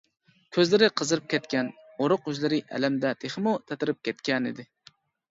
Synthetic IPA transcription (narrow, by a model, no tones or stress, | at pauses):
kʲʰøzlɪɾɪqʰəzɨɾɨp̚kʲʰɛt̪kʲʰɛnoɾʊqyzlɪɾɪʔɛ̰læmd̪ɛt̪ʰeχmut̪ʰɛt̪ɪɾɪp̚kʲʰɛt̪kʲɛnɪ̰d̪ɪ